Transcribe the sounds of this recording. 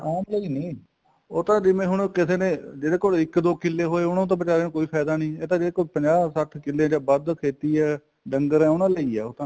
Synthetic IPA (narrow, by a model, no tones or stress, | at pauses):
aːmləiːnĩː | oːt̪ãːd͡ʒɪmẽːɦʊɳkɪseːnẽːd͡ʒeːɽeːkoːlɪkd̪oːkɪlːeːɦoːeːʊnãːt̪̬ãːbɪt͡ʃaːɾeːnũːkoːiːpʰɛːd̪aːnĩːeːt̪ãːd͡ʒeːɽeːkoːlpəɲd͡ʒaːsəʈʰkɪlːẽd͡ʒãːbəd̪kʰeːt̪iːɛː | ɖəŋɡəɾɛ̃ːʊnãːləiːɛ̰ːoːt̪ãː